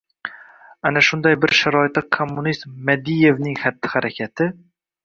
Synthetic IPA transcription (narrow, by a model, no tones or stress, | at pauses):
anaʃʊnd̪ajbɪɾʃaɾɒɪt̪ːakʰomːunist̪mːad̪ije̞vnɪŋhat̪ːɪ̥haɾakʲʰat̪ʰɪ